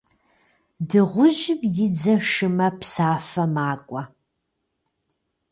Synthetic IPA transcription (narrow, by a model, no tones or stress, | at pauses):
dɨʁʷʊʑɪbjɪd͡zɐʂɨmɐpsaːfɐmaːkʷʼɐ